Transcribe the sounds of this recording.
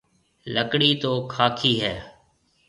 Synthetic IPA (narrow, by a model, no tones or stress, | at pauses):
ləkɽiːt̪oːkʰaːkʰiːɦɛː